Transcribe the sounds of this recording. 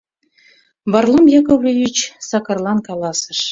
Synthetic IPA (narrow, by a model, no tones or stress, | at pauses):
βɑrlˠɤmjɑkovlʲejʲyt͡ɕsɑkɑ̆rlˠɑnkɑlˠɑsə̥̆ʃ